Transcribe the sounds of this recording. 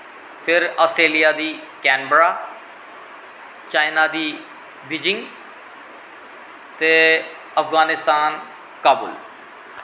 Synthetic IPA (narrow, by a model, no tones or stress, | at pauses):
pʰɪɾaːsʈɾeːlijaːd̪iːkɛːnbəɾaː | t͡ʃaːɪnaːd̪iː | biːd͡ʒɪ̃ŋɡ | t̪eː | əfɡaːnɪst̪aːn | kaːbʊl